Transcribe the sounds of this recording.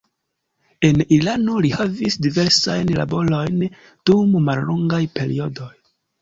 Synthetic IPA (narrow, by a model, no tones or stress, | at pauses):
e̞nilano̞lihavisdive̞ɾsajnla̰bo̞lo̞jn | d̥ummalːoŋɡajpe̞ɾḭo̞do̞j